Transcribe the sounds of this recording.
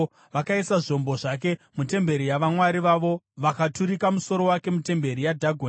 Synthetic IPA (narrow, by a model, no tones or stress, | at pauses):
ʋakaisaʐo̞mbo̞ʐak̬e̞ | mute̞mbe̞ɾijaʋamwaɾiʋaʋo̞ | ʋakatuɾikamuso̞ɾo̞wake̞mute̞mbe̞ɾijadʱaɡʱwe